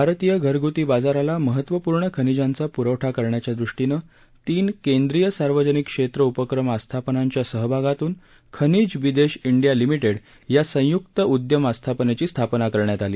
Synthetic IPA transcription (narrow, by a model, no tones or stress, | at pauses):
bʱaɾt̪ijəɡʱəɾɡʱut̪iːbad͡zaɾalaməɦət̪ʋəpuɾɳəkʰənid͡ʑant͡sapuɾəʋʈʰakəɾɳjat͡ɕjad̪ɾuʂʈinəː | t̪iːnkend̪ɾijəsaɾʋəd͡ʑənikːʂet̪ɾəupəkɾəmast̪ʰapənaɲt͡ɕjasəɦbʱaɡat̪uːn | kʰənid͡zʋid̪eɕiɳɖijalimiʈeɽ | jasə̃juk̚t̪əʔud̪jəmast̪ʰapənet͡ɕiːst̪ʰapnakəɾɳjat̪alḭː